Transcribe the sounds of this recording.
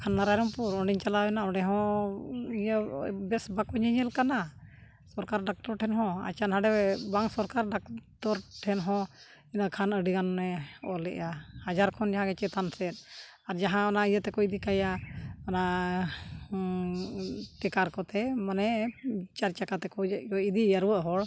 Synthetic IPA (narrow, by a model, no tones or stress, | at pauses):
kʰanːaɾajɾɔmpuɾɔɳɖiɲt͡ʃalawɛnaɔɳɖɛɦɔ̃ | iɲəbɛsbakɔɲəɲɛlkana | sɔɾkaɾɖak̚ʈɔɾʈʰɛnɦɔ̃a̰t͡ʃanɦaɖɛɛbaŋsɔɾkaɾɖakʈɔɾʈʰɛnɦɔ̃ | inəkʰanəɖiɡanɛɔlɛ̰ʔjahad͡ʒaɾkʰɔnd͡ʒaɦãɡɛt͡ʃɛt̪ʰansɛt̪̚ | aɾd͡ʒaɦãɔnaijət̪ɛkɔid̪ikajaɔna | ʈɛkaɾkɔt̪ɛmanɛt͡ʃaɾt͡ʃakat̪ɛkɔɔid̪ijaɾuwəʔɦɔɽ